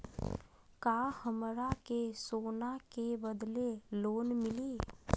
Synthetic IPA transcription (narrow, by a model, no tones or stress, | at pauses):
kaːhəmɾakesoːnakebəd̪leloːnmɪliː